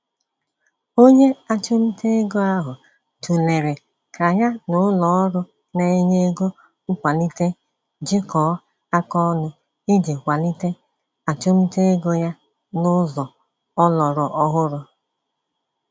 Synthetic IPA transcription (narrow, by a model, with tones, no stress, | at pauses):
o˦ɲe˦a˦t͡ʃo˦m̩˦te˦e˦ɡo˦a˦ɦʊ˨ | tu˨le˨ɾe˨ | kʰa˨ɲa˦nʊ˦lɔ˨˦ɾʊ˦ | ne˨˦ɲe˦ɡo˦ | kʷa˨li˦te˦ | d͡ʒɪ˦kɔː˨˦ | a˦kɔ˦nʊ˦ | i˦de˨kʷa˨li˦te˦ | a˨t͡ʃo˦m̩˦te˦e˦ɡo˦ja˦ | nʊ˦zɔ˨ | ɔ˦lɔ˨ɾɔ˨ʔɔ˦ɦʊ˦ɾʊ˨